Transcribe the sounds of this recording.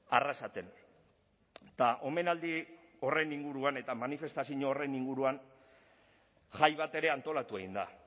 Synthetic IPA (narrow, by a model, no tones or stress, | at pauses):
arasat̪e̞n | t̪aʔo̞me̞nald̪i | o̞re̞niŋɡuɾuane̞t̪amanife̞st̪asiɲoːre̞niŋɡuɾuan | ʝajβat̪e̞ɾe̞ant̪o̞lat̪ue̞ɣind̪a̰